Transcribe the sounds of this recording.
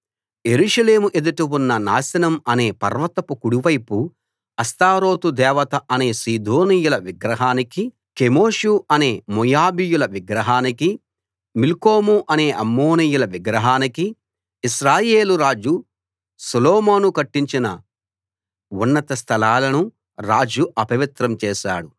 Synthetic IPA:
je̞ɾuːʂɐle̞ːmuʔed̪uʈuwunːɐnaːsɐnɐmɐne̞ːpɐ̰ɾʋɐt̪ɐpukuɽuʋɐjpu | ɐst̪aːɾo̞ːt̪ud̪ɛːʋɐt̪ɐʔɐne̞ːsiːd̪oːnijulɐʋiɡɾɐɦaːniki | kemoːʂuɐne̞ːmujaːbijulɐʋiɡɾɐɦaːniki | milkoːmuʔɐne̞ːʔɐmːoːnijulɐʋiɡɾɐɦaːnikiː | ʃɾaːjeːluɾaːd͡ʒu | suloːmoːnukɐʈːiɲt͡ʃinɐ | unːɐt̪ɐst̪ʰɐlaːlɐnu | ɾaːd͡ʒuʔɐpɐʋit̪ɾɐmt͡ʃɛːʃa̰ːɽu

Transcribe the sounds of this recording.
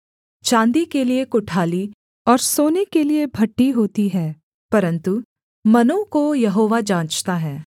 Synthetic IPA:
t͡ʃãːnd̪ikeliekʊʈʰaːli | ɔːɾsoːnekeliebʱɐʈːiɦoːt̪iɦɛː | pɐɾə̃nt̪u | mɐnõkojɐɦoːʋad͡ʒãːt͡ʃt̪aɦɛː

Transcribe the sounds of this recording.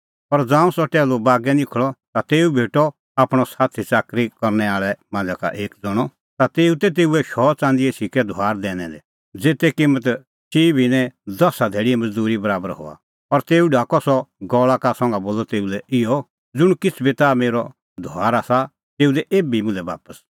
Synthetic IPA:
pɐɾd͡zãːũsɔʈɛːlobaːɡɛnɪkʰɭɔt̪at̪eːubʱeːʈɔ | aːpɽ̃ɔsaːt̪ʰit͡saːkɾikɔɾnɛaːɭɛmãːnd͡zaka̰ʔeːkd͡zɔɽ̃ɔ | t̪at̪eːut̪ɛt̪̬eːuɛʃɔt͡sãːnd̪iesikɛd̪ʱoaːɾd̪ɛːnɛ̃lɛ | d͡zeːt̪ɛkɪmət̪ | t͡ʃiːbinɛ̃d̪ɔsad̪ʱeːɽiɛmɐd͡zd̪uːɾibɐɾaːbəɾɦo̰ːa̰ | ɐɾt̪eːuɖʱaːkɔsɔɡɔːɭakasɔ̃ŋɡaboːlɔt̪eːulɛɪjɔ | d͡zʊɽ̃kɪt͡sʰbit̪ameːɾɔ | d̪ʱoaːɾasa | t̪eːud̪ɛʔeːbimʊ̃nlɛba̰ːpəs

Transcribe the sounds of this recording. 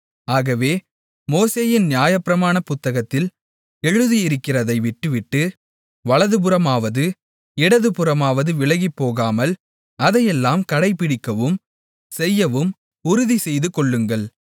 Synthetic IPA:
aːɣɐʋeː | moːseːjɪnnɪjaːjɐpːɪɾɐmaːnɐpʊt̪ːɐɣɐt̪ːɪl | ɛɻɯðijɪɾɯkːɪrɐðɐɪʋɪʈːɯʋɪʈːɯ | ʋɐɭɐðɯp̬ɯɾɐmaːʋɐðɯ | ɪɽɐðɯpɯɾɐmaːʋɐðɯʋɪɭɐɣipːoːɣaːmɐl | ɐðɐjɛlːaːmkɐɽɐɪpːɪɽɪkːɐʋɯm | sɛjːɐʋɯm | ʊɾʊðisɛjðɯkɔɭːɯŋɡɐɭ

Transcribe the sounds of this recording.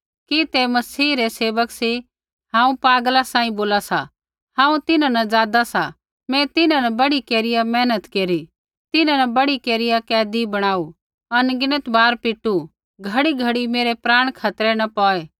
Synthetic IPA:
kit̪emɐsiːɾeseːʋəkse | hãːũpaːɡlasãːĩboːlasa̰ | hãːũt̪ɪnãnɐd͡zaːd̪asa | mɛ̃t̪ɪnãnɐbɐɽikeːɾɪjamɛːnət̪keːɾi | t̪ɪnãnɐbɐɽikeːɾɪjakɛːd̪ibɐɽ̃aːu | ɐnɡɪnət̪bʱaːɾpɪʈːu | ɡʱɐɽiɡʱɐɽimeːɾepɾaːɽ̃kʰaːt̪ɾɛnɐpɔːeː

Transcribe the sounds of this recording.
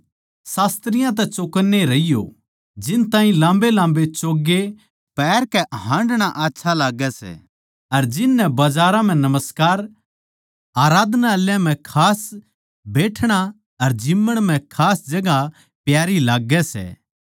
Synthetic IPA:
saːst̪ɾɪjãt̪̬ɛt͡ʃokənːeɾɐijo̰ | d͡ʒɪnt̪ãːĩlãːmbelãːmbet͡ʃoːɡːe | pɛːɾkɛɦãːɳɖɽ̃aʔaːtːʃʰalaːɡɛsɛ̰ː | ɐɾd͡ʒɪnːɛbɐd͡ʒaːɾãm̤ɛ̃nɐməskaːɾ | aːɾaːd̪naɐljãm̤ɛ̃kʰaːs | beːʈʰɽ̃a | ɐɾd͡ʒɪmːəɽ̃m̤ɛ̃kʰaːsd͡ʒɐɡa | pjaːɾilaːɡːɛsɛ̰

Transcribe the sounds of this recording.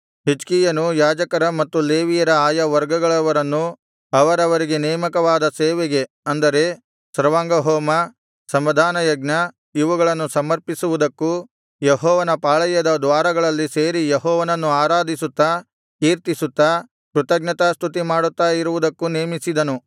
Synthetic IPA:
ɦit͡ʃkijɐnujaːd͡ʒɐkɐɾɐmɐt̪ːuleːʋijɐɾɐaːjɐʋɐɾɡɐɡɐɭɐʋɐɾɐnːu | ɐʋɐɾɐʋɐɾiɡe̞nɛːmɐkɐʋaːd̪ɐseːʋeɡe̞ | ɐnd̪ɐɾe̞ | sɐɾʋaːŋɡɐɦɔːmɐ | sɐmʋɐd̪ʱaːnɐjɐɡnɐ | iʋɐɡɐɭɐnːusɐmɐɾpisuʋud̪ɐkːu | jeɦɔːʋɐnɐpaːɭɐjɐd̪ɐd̪ʋaːɾɐɡɐɭɐlːiseːɾijeɦɔːʋɐnɐnːuaːɾaːd̪ʱisut̪ːɐ | kiːɾt̪isut̪ːɐ | kɾut̪ɐɡnɐt̪ast̪ʰut̪imaːɽut̪ːaːjiɾuʋud̪ɐkːuneːmisid̪ɐnu

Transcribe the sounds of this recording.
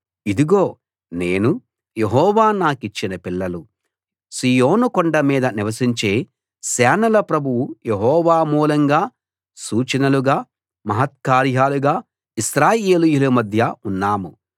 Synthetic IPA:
id̪iɡoː | ne̞ːnu | jeɦɔːʋaːnaːkit͡ʃːinɐpiɭːɐlu | siːjoːnukɔɳɖɐmiːd̪ɐniʋɐsiɲt͡ʃe̞ː | sɛːnɐlɐpɾɐbʱuwujeɦɔːʋaːmuːlɐŋɡaː | suːt͡ʃɐnɐluɡaː | mɐɦɐt̪̚kaːɾjaːluɡaː | isɾaːjeːlijulumɐd̪ʱjɐunːaːmu

